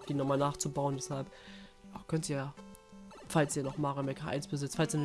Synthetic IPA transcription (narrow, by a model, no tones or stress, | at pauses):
d̥iːnɔχmaːlnaːχt͡subaʊənvɛshalpakʰœntijaː | falsiːɐnɔχmaːʁəmɛkʰaʔa̰ɪnsb̥əzɪt͡sfalsin